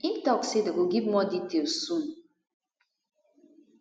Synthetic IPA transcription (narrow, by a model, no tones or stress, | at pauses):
itɔksedɨkoɡip̚mɔditeosun